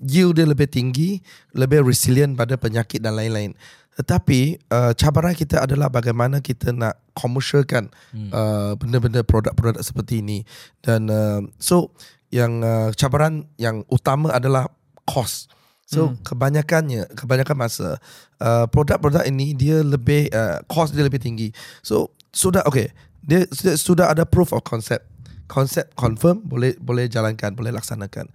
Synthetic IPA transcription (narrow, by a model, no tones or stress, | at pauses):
jildiələbɪht̪iŋɡi | ləbɪhrisiliənpadapəɲakɪt̪̚danlaɪnlaɪn | ət̪apiət͡ʃabaɾankit̪əadalahbaɡajmanakit̪ʰənaʔkʰɔməʃəkan | əbəndəbəndəpɾoda̰k̚pɾodak̚sə̥pərt̪iːnid̥anəso | jaŋət͡ʃabaɾanjaŋʔut̪amãʔadalah | kʰɔs | sokəbaɲakanɲəkəbaɲakanmasa̰ | ʔəpɾodak̚pɾodakinidiələbɪhə̰kʰɔsdiələbɪht̪iŋɡiso̰ | sudaɦʔoke | diəsdsudaɦadapɾufɔ̰fkʰɔnsɛp̚kʰɔnsɛp̚t̪̚kʰɔnfəmbolɛhbolɛhd͡ʒalankanbolɛhlak̚sanaka̰n